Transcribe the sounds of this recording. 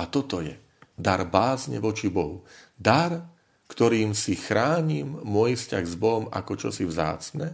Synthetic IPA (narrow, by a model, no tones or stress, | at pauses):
at̪ɔt̪ɔjɛ | d̪aɾbaːzɲɛ̰ʋɔt͡ʃibɔɦud̪aɾ | kt̪ɔɾiːmsixɾaːɲimːʊɔjfscaɣzbɔɦɔma̰kɔt͡ʃɔsivza̰ːt͡snɛ